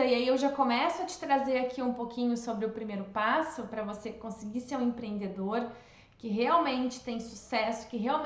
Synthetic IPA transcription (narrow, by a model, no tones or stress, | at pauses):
ɐiaiewʒakõmɛsʊɐt͡ʃɪ̥t̪ɾazeɾakʰiũpokʰĩɲʊsobɾɪʊpɾimejɾʊpasʊpɾɐvosekõsɪɡiseũẽpɾẽẽnd̪ed̪oɾ | kɪɦeawmẽnt͡ʃɪ̥t̪ẽj̃susɛsʊ̥kɪɦeawm